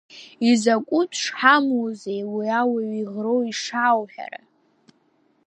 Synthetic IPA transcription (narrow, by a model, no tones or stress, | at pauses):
izakʷʼutʰʂħamozejwiawaɥiʁrowiʂawħᶣa̰ɾa̰